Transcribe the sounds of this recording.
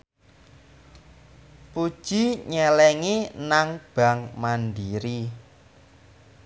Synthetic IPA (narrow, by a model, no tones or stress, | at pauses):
pud̥ʒ̥i̤ɲɛlɛŋinaŋb̥ä̤ŋmandiɾi